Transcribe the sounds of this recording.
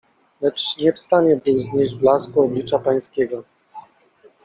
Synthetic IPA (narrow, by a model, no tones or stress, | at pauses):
lɛt͡ʂɲɛfst̪aɲɛbɨwzɲeʑd͡ʑblaskɔːblʲit͡ʂapaj̃skʲɛɡɔ